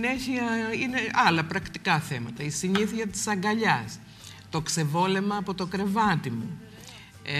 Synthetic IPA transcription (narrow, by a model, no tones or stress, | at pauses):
ne̞çiɐine̞ɐlɐpɾɐkt̪i̥kɐθe̞mɐt̪ɐisiɲiθiɐt̪i̥sɐŋɡɐʎɐs | t̪o̞kse̞vo̞le̞mɐːpo̞t̪o̞kɾe̞vɐt̪imu